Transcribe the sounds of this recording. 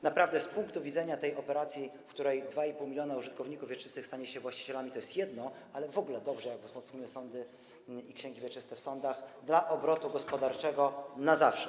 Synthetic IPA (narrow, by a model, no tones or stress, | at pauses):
napɾavd̪ɛspuŋkt̪uvʲidzɛɲat̪ɛjʔɔpɛɾat̪sʲjifkt̪uɾɛjd̪vaipuwmʲilʲjɔnauʐɘt̪kɔvɲikufvʲjɛt͡ʂɘ̥st̪ɘxst̪aɲɛɕɛvwaɕt͡ɕi̥t͡ɕɛlamʲit̪ɔjɛst̪jɛd̪nɔ | alɛvɔɡulɛd̪ɔbʐɛjaɡvzmɔt̪sɲiwɘsɔnd̪ɘ | ikɕɛŋɡʲivʲjɛt͡ʂɘst̪ɛfsɔnd̪axd̪laʔɔbɾɔt̪uɡɔspɔd̪aɾt͡ʂɛɡɔnazafʂɛ̥